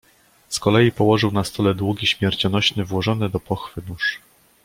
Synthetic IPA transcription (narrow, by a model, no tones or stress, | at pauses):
skɔlɛjipɔwɔʐɘwnast̪ɔlɛd̪wuɡʲiɕmʲjɛɾt͡ɕɔnɔɕnɘvwɔʐɔnɛd̪ɔpɔxfɘnuʂ